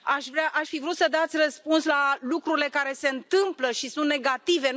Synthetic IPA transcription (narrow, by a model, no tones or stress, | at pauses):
aʃvɾeaʔaʃfivɾut̪səd̪at̪sʲrəspunslalukɾuɾile̞kaɾe̞se̞ɨnt̪ɨmpləʃisũnt̪neɡat̪ive̞